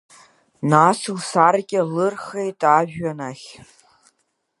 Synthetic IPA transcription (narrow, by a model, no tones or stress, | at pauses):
nasɨwsarɡʲʼɪlɨrχejtʼaʒᶣɥanaχʲ